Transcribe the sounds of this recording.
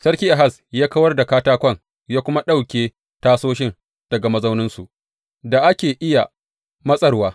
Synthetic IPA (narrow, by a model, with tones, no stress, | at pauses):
sɐ˦ɽkʲiː˦ʔa˨ɦa˦˨s | jaː˦kɐ˦wɐ˦rda˨kaː˦taː˦kʷɐ˦˨ŋ | jaː˦kʷʊ˦ma˦ɗa˦˨wkʲeː˦ | taː˦soː˦ʃɪ˦n | d̥ɐ˨ɡa˨mɐ˦zɐ˦wnɪ˦nsu˨ʔ | da˨ʔa˦kʲeː˨ʔɪ˦ja˨ | mɐ˦sʼɐ˦ɽwaː˦